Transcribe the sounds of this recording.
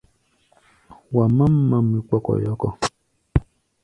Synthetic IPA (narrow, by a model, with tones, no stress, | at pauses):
wa˨ma˦m̩ː˦a˦mi˨k͡pɔ˦kɔ̰˨jɔ˦kɔ˨